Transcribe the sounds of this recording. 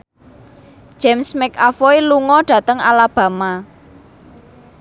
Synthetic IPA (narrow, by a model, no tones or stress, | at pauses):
ʒ̥ɛmsmɛkafoiluŋɔɖ̥ä̤t̪əŋa̰lab̥ä̤ma